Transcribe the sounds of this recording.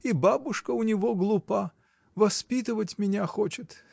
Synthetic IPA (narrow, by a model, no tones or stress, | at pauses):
ibabʊʂkəʊnʲɪvoɡlˠʊpa | vɐspʲit̪ɨvətʲmʲɪnʲaxot͡ɕɪt̪